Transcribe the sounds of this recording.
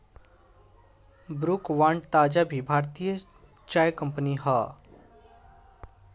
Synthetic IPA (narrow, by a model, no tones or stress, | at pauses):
bɾukʋãːɳɖt̪aːd͡ʒabʱibʱaːɾt̪ijə | t͡ʃaːjkə̃mpəniɦaː